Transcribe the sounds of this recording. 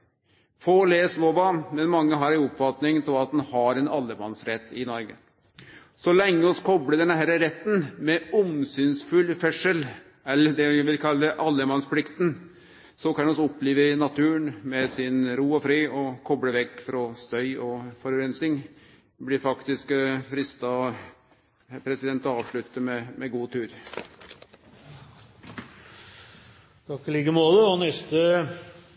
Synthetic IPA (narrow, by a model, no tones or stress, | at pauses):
fɔleːsloːʋɑmɛnmɑŋːəɦɑɾɪʊpːfɑt̪nɪŋt̪ʰɪlɑt̪̚d̪ɛnhɑɾɛnɑlːəmɑnsɾɛt̪ːɪnɔɾɡə | sɔlɛŋːəɔskʰɔbləd̪ɛnɦæːɾəɾɛt̪ːənmɛʊmsynsfʉlːfɛʂəl | ɛlːəd̪ɛʋɪlkʰɑlːəɛʔɑlːəmɑnspʰlɪkt̪n | sɔkʰɑnɛɔsɔpːleːʋənɑt̪ʰʉːɳmɛsɪnɾuːɔfɾiːɔkʰɔbɽəʋɛkːfɾɔst̪œʏɔfɔɾʉɾɛnsɪŋ | blɪɾfɑkt̪ɪskfɾɪst̪ɑ | pʰɾɛsɪd̪ɛnt̪ɔɑːʋʂɭʉt̪ːəmɛmɛɡuːt̪ʰʉːɾ | d̪ɑkəlɪɡəmoːləɔnɛst̪ə